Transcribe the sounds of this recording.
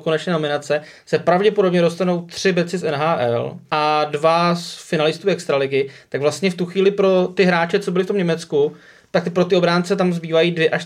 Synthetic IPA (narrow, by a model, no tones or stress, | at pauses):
konɛt͡ʃnɛːnomɪnat͡sɛ | sɛpɾavɟɛpo̞do̞bɲɛɾo̞st̪ano̞wt̪r̝̥ɪbɛt͡sɪsɛnɦaːʔɛ̰lʔadvasfɪnalɪst̪uːɛkst̪ɾalɪɡɪt̪aɡvlast̪ɲɛft̪uxviːlɪpɾo̞t̪ɪɦɾaːt͡ʃɛt͡sobɪlɪft̪omɲɛmɛt͡sku | t̪ak̚pɾo̞t̪ɪo̞bɾaːnt͡sɛt̪amzbiːvajiːdvjɛʔaʃ